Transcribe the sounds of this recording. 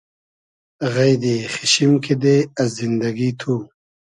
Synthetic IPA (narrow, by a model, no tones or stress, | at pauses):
ɣɐjd̪ixiɕimkid̪eɐzind̪ɐɡit̪ʰu